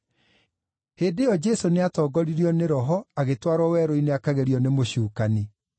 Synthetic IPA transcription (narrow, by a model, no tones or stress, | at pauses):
heːdejɔd͡ʒɛsoneatɔːɡɔɾiɾiɔneɾɔɦɔaɣetwaɾɔwɛːɾoineakaɣeɾiɔnemoɕuːkani